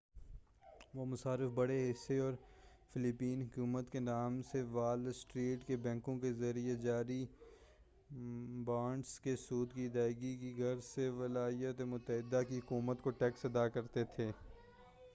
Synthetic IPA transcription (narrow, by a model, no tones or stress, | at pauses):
ʋomʊsaːɾɪfbɐɽeɦɪseɔːɾfɪlɪpiːnɦʊkuːmət̪kenaːmseʋaːlsʈɾiːʈkebɛ̃ːŋkõkezɐɾijed͡ʒaːɾi | bãːɳɖskesuːd̪kid̪aːɪɡikiɡʱɐɾseʋɐlaːijət̪emʊt̪əɦɪd̪ːakiɦʊkuːmət̪koʈɛːksɐd̪aːkɐɾt̪et̪ʰeː